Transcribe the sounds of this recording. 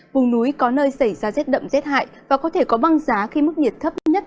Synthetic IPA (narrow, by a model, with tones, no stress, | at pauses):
vʊ˨˩ŋ͡mnu˨˦jkɔ˨˦nəː˧jsə˧˩jzaː˧zɛ˦˥t̚ɗə̰˧˨wŋ͡mzɛ˦˥t̚ha̰ː˧˨jvaː˨˩kɔ˨˦t̪ʰe˧˩kɔ˨˦ɓa˧ŋzaː˨˦xi˧mɨ˦˥k̚ɲi˨˩ət̚t̪ʰə˦˥p̚ɲə˦˥t̚